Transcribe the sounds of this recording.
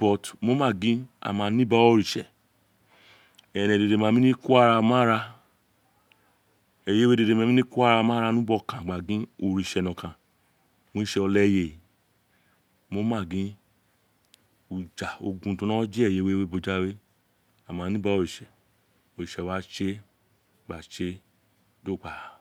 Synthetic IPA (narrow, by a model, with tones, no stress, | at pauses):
bɔ˨tmo˨˦mãː˦˨ɡĩ˦a̰˧˨mã˧˦nĩ˦ba˧˦o˧ɾi˨ʃɛ˨ | ɛ˨ɾɛ̃˨de˧˨de˧˨mã˧˦mĩ˦nĩ˦ku˦a˦ɾa˧mã˦ɾa˧ | ɛ˨je˦we˦de˧de˧mã˧˦mĩ˦nĩ˦ku˦a˦ɾa˧mã˦ɾa˧nũ˦bɔ˧˨kã˨ɡ͡ba˨ɡĩ˦o˧ɾi˨ʃɛ˨nɔ̃˨kã˨ | mo˨˧˦i˦ʃɛ˧ɔ˧lɛ˦je˧˨ | mo˨˦mãː˦˨ɡĩ˦ | u˨d͡ʒa˨o̰˧ɡũ˧˦tũ˧˦nã˦d͡ʒi˦ɛ˦˨je˨˦we˦we˦bo˧d͡ʒa˦we˦ | a˨mã˨˦nĩ˦ba˦o˧ɾi˨ʃɛ˨ | o˨ɾi˨ʃɛ˨wa˨˦t͡ʃe˦ | ɡ͡ba˨t͡ʃe˦ | do˦˨k͡pa˨